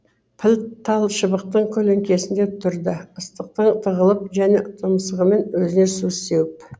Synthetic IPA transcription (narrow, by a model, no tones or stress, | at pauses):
pʰɪlt̪ʰɑlˠʃəbəq̚t̪əɴkʲʰɵleŋkʲʰe̞sɪnd̪e̞t̪ʰʊɾd̪əəst̪əq̚t̪əɴt̪ʰəʁəlˠəp̚ʒæne̞ʔt̪ʰəməsəʁəme̞nwɵzɪne̞suse̞wɪp